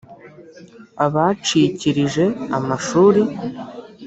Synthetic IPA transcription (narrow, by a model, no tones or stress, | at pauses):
aβat͡ʃiciɾiʒe̞amaʃuːɾi